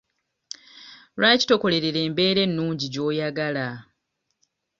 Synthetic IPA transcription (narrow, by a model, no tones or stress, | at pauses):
ɾaːci̥to̞ko̞le̞ɾeɾe̞ːmbe̞ːɾe̞nːuːɲɟiɟo̞ːjaɡala